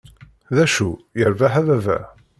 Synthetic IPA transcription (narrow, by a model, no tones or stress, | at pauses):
ðæʃujəɾvaħæðævæ̰